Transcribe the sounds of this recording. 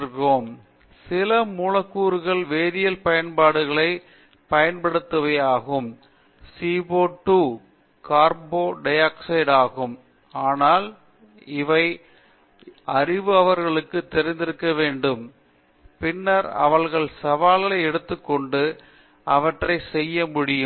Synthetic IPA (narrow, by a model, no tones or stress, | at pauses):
ɣoːm | sɪlɐmuːɻɐkːuːɾɯɣɐɭʋeːðɪjɐlpɐjɐnpaːɽɯɣɐɭɐɪ | pɐjɐnpɐɽɯt̪ːɯʋɐjaːɣɯm | siːboːʈːuː | kaːɾboːɖɐjaːksɐɪɽaːɣɯm | aːnaːl | ɪʋɐɪ | ɐɾɪʋɯɐʋɐɾɣɐɭɯkːɯt̪ːɛɾɪnd̪ɪɾɯkːɐʋeːɳɖɯm | pɪnːɐɾɐ̰ʋɐɭɣɐɭsɐʋaːlɐlɐɪɛɽɯt̪ːɯkːɔɳɖɯ | ɐʋɐʈrɐɪsɛjːɐmʊɽɪjɯm